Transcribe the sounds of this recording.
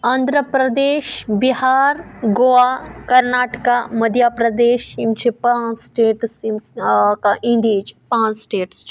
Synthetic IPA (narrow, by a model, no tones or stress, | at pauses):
ɐ̃nd̪ɾəpɾɐd̪eːʃbiɦaːɾɡoaːkɐɾnaːʈkamɐd̪ʱjaːpɾɐd̪eːʃimt͡ʃʰipãsʈeːʈs | kaʔĩnd̪iːd͡ʒpãːsʈeːʈst͡ʃʰ